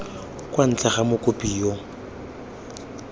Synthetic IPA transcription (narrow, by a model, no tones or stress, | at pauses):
kʼwan̩t͡ɬʼaχamʊkʼʊpʼijo